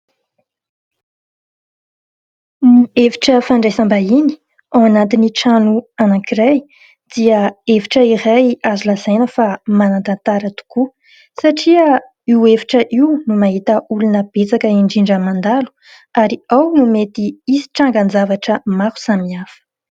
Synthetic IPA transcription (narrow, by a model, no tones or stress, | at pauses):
nuevi̥ʈ͡ʂəfaɳɖ͡ʐajsambaini̥ | awanat̪iniʈ͡ʂanuanakiɾaj | d̪̥iəeviʈ͡ʂəiɾajazulazajnəfamanant̪ant̪aɾət̪u̥ku | saʈ͡ʂiə | iwevi̥ʈ͡ʂəʔiunumaɦit̪əʔulunəb̥et͡sakəiɳɖ͡ʐiɳɖ͡ʐəmand̪alu̥ | aɾiawnumet̪iisi̥ʈ͡ʂaŋɡand͡zavaʈ͡ʂəmaku̥samiafə̥